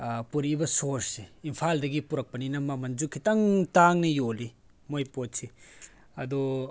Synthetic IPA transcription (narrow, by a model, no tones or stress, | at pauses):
puɾibɐsoɾsseimpʰaldɐɡipuɾɐk̚pɐninɐmɐmɐnzukʰːitɐŋtaŋnijoli | mojpotsi | ɐdɔ